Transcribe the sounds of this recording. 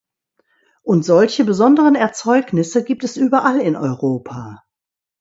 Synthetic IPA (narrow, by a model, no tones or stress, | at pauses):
ʔʊntz̥ɔlçəbəzɔndəʁənɛɐt͡sɔʏknɪsəɡiːp̚tɛsʔyːbɐʔalɪnʔɔ̰ʏʁoːpʰaː